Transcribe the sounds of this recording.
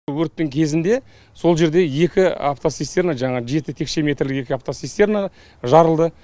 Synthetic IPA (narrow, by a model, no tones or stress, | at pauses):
wɵɾt̪ːɪŋkʲʰe̞zɪnd̪e̞ | so̞lˠʒe̞ɾd̪e̞je̞kʲɪa̰ft̪osist̪e̞ɾnaʒɑɴɑʒe̞t̪ɪt̪ʰe̞kʃe̞me̞t̪ɾlɪke̞kʲɪaft̪osist̪e̞ɾna | ʒɑɾəlˠd̪ə